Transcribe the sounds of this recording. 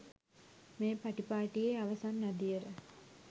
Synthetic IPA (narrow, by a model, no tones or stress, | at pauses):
meːpaʈipaːʈijeaʋɐsanːad̪ijəɾə